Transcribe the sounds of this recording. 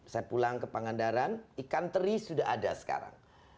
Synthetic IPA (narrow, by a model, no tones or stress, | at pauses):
sajapulaŋkəpaŋandaɾanikant̪əɾisudaɦadasə̥ka̰ɾa̰ŋ